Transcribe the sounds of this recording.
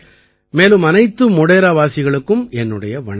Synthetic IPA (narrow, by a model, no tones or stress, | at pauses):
meːlɯmɐnɐɪt̪ːɯmɔɽeːɾaːʋaːsɪɣɐɭɯkːɯmɛnːɯɽɐjɐʋɐ̰ɳɐ